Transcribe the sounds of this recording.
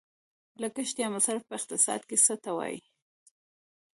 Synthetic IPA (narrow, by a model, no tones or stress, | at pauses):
lakəʃd̪jɑmasaɾafpəɪqt̪ɪsɑ̰d̪kesət̪awɑ̰jḭ